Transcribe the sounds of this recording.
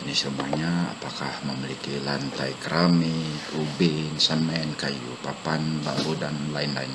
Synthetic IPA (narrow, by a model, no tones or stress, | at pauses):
nisəmuaɲaa̰pakahməmilikilant̪ajkɾamikubinsəmɛnkajṵpapanba̰ɾudanlaɪnlaɪn